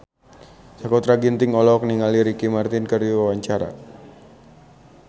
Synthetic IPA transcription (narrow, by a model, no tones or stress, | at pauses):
sakɔt̪ɾaɡint̪ɪŋɔlɔk̚niŋaliɾikimart̪ɪnkəruwawaɲt͡ʃaɾa̰